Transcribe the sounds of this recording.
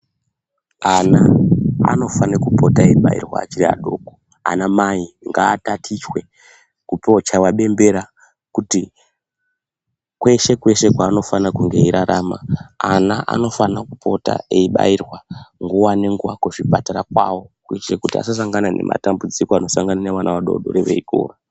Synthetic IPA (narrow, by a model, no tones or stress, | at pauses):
anaa̰no̞fanekupo̞taeiɓa̰ḭrwa̰ːt͡ʃiria̰ɗo̞ko | a̰namaiŋɡaːtatʰit͡ʃwe̞ | kupot͡ʃawaɓe̞mbe̞ɾa | kuti | kwe̞ʃe̞kwe̞ʃe̞kwaːno̞fanakuŋɡe̞iɾaɾaːma̰anaʔa̰no̞fanakupʰo̞ta̰eiɓa̰irwaŋɡuwane̞ŋɡuwakuʐipataɾakwawo̞kuit͡ʃrekutia̰sas̬aŋɡanane̞̰mʔa̰tambud͡zikoano̞saŋɡananeʋanaʋaɗo̞̰ɗo̞̰ɾeʋe̞̰iɡʱo̰ːra